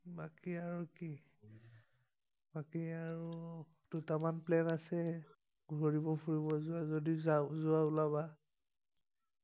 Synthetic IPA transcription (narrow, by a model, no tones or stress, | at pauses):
bakiaɹuki | bakiaɹu | dutamanplɛnasɛ | ɡoɹibɔpʰuɹibɔzʊazodizazʊaulaba